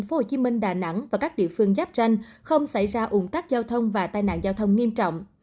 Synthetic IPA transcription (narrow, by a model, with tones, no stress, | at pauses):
nfo˧˥ho˨˩t͡ɕi˨˦mï˧ŋ̟ɗaː˨˩na̰˧˥ŋvaː˨˩kaː˦˥k̚ɗḭ˧˨əfɨ˧əŋzaː˦˥p̚t͡ɕa˧jŋ̟ | xə˧wŋ͡msa˧˩jzaː˧ʔʊ˨˧˩ŋ͡mt̪aː˦˥k̚zaː˧wt̪ʰə˧wŋ͡mvaː˨˩t̪aː˧jna̰ː˧˨nzaː˧wt̪ʰə˧wŋ͡mŋi˧əmt͡ɕɔ̰˧˨wŋ͡m